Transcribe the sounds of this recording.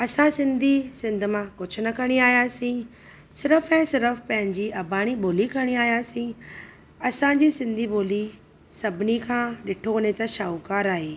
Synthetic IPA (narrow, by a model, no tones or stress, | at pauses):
ɐsãsɪ̃nd̪ʱisɪ̃nd̪ʱmãkʊd͡ʑʱʊnɐkɐɽ̃iaːjaːsĩː | sɪɾəfɛ̃ːsɪɾəfpɐ̃ɦɪ̃ɲd͡ʑiʔɐbʱaːɽ̃iɓoːlikʰɐɽ̃iaːjaːsĩ | ɐsãɲd͡ʑiːsɪ̃nd̪ʱiboːli | sɐbʱɪnikʰãːɗɪʈʰoɐnẽt̪ɐʃaːukaːɾaːɦeː